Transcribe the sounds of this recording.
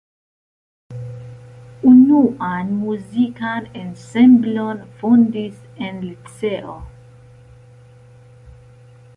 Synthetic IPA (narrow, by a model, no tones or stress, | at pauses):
unuʔanmuzikanɛ̃nsɛ̃mblɔnfɔnd̪is | ɛ̃nlitsɛo̰